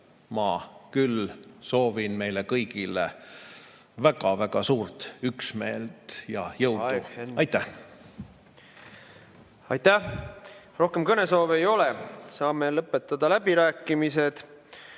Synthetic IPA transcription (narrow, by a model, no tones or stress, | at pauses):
mɑkylso̞ːvinme̞jlekɤjɡilḛ | væɡ̥ɑvæɡ̥ɑsuːrt̪yksmeːlt̪jɑjɤwd̪uɑjt̪ːˑæh | ɑ̰jt̪ːæ | ro̞hke̞mkɤne̞so̞ːvejo̞lesɑːmelɤpːˑe̞t̪ːˑɑd̪̥ɑlæbiɾæːkːˑimise̞d̪̥